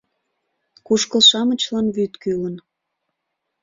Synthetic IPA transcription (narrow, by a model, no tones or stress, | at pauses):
kuʃkəlʃɑmə̆t͡ɕlɑnβyt̪kylən